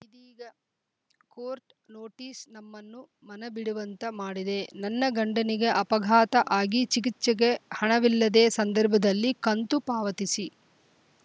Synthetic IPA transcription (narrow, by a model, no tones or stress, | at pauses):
id̪iːɡɐ | koːɾʈ | noːʈiːsnɐmːɐnːu | mɐnɐbiɽuʋɐnt̪ɐmaːɽid̪e̞nɐnːɐɡɐɳɖɐniɡeʔɐpɐɡʱaːt̪ɐʔaːɡit͡ʃik̬it͡ʃːɐɡehɐɳɐʋilːɐd̪eːsɐnd̪ɐɾbʱɐd̪ɐlːikɐnt̪upaːʋɐt̪isi